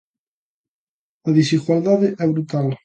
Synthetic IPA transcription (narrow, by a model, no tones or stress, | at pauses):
aðisiɣwald̪aðeʔɛβɾut̪al